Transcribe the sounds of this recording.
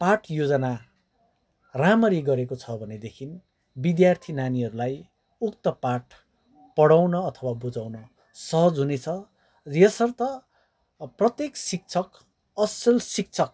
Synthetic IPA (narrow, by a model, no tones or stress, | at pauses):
paʈʰjod͡zʌna | ramʌɾiɡʌɾekot͡sʰʌbʱʌned̪ekʰin | bid̪jart̪ʰinaniɦʌɾulaj | ukt̪ʌpaʈʰ | pʌɽawnʌːt̪ʰʌwabud͡zawnʌ | sʌɦʌd͡zɦunet͡sʰʌ | jesʌrt̪ʌ | prʌt̪jeksik̚t͡sʰʌk | ʌsʌlsik̚t͡sʰʌk̚